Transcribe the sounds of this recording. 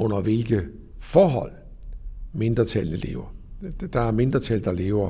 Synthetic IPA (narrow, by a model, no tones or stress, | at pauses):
ɔ̽n̰ɐʋe̝lɡ̥ə | fɒːɦɒ̽l̰ | me̝nd̥ʁɐt͡sʰælnəle̝̰ːʊɐd̥ɑ̈æɐme̝nd̥ʁɐt͡sʰæld̥ɑ̈le̝ːʊɐ